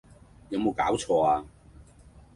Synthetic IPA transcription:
jɐ˨˧mo˨˧wkaː˨˥wt͡ʃʰɔː˧aː˧

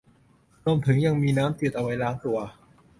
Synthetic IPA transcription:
ɾu˧˩mt̪ʰɯ˩˦ŋja˧ŋmiː˧naː˦˥mt̪i˨˩t̪ʔa˧wa˦˥jlaː˦˥ŋt̪u˧ɐ

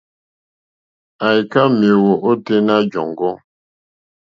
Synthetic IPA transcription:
a˨jka˦me˨wo˨ʔo˦te˦na˦d͡ʒɔ˨ŋɡɔ˦

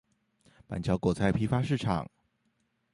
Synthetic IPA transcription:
pa̰˨˩nt͡ɕʰjɑ˧˥ʊkwɔ˨˩t͡sʰa˧˥ɪpʰi˥fa˥ʂɻ̩˥˩ʈ͡ʂʰɑ̰˨˩˦ŋ

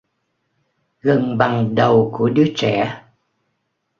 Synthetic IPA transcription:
ɣə˨˩nɓa˨˩ŋɗə˨˩wku˧˩əɗɨ˨˦˥ət͡ɕɛ̰˧˩

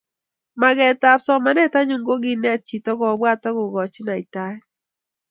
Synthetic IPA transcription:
ma˨ɡɛ˨ta˨psɔ˦ma˨˦nɛ˦ta˦ɲu˨ŋɡo˦ɡɪ˦nɛ˦t̚t͡ʃi˨tɔ˦ɡɔ˨bwa˦tɔ˦ɡʊ˨ɡɔ˨t͡ʃɪ˦na˨ɪ˨ta˦

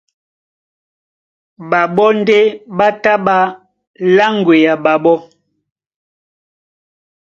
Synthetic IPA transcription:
ba˨ɓɔ˦n̩˦de˦ɓa˦ta˦ɓa˦ | la˦ŋ˨ɡwe˨ja˨ɓa˨ɓɔ˦

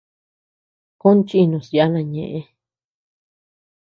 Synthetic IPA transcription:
kõ˦nt͡ʃi˦˧nũ˨sja˦nã˧ɲḛ̃˨ʔẽ˧

